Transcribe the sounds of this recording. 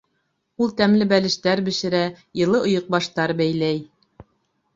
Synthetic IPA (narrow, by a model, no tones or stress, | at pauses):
ulˠt̪æmlɘbælɘ̆ʃt̪æɾbɘ̆ʃɘ̆ɾæ | jɤ̆lˠɤʔŏjŏq̚bɑʃt̪ɑɾbæjlæj